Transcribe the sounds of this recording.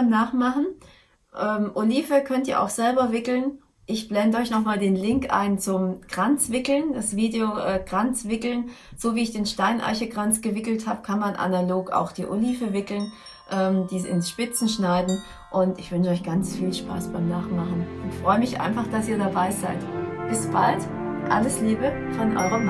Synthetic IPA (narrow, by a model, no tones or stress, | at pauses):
baɪmnaːχmaχn̩ | ʔɛːmʔoliːfəkʰœntiːɐʔa̰ʊxz̥ɛlbɐvɪkl̩n | ʔɪçb̥lɛndəɔʏçnɔχmaːldeːnlɪŋkʔa̰ɪnt͡sʊmɡ̥ʁ̥ant͡sv̥ɪkl̩nd̥asv̥iːdeoʔɛːɡ̥ʁant͡sv̥ɪkl̩n | z̥oːviːɪçd̥eːnʃtaɪnʔa̰ɪçəɡʁant͡sɡ̥əvɪkl̩thaːbəkʰanmanʔa̰naloːka̰ʊxd̥iːʔo̰liːfəvɪkl̩n | ʔɛːmdiːzɪnsʃpɪt͡sn̩ʃnaɪdn̩ | ʔʊntɪçv̥ʏnʃəɔʏçɡ̥ant͡sfiːlʃpa̰ːsb̥aɪmnaːχmaχn̩ʔʊntfʁ̥ɔʏəmɪçʔa̰ɪnfaχd̥asiːɐdabaɪzaɪtb̥ɪsb̥alt | ʔa̰ləsliːbə | fɔnʔɔ̰ʏʁəm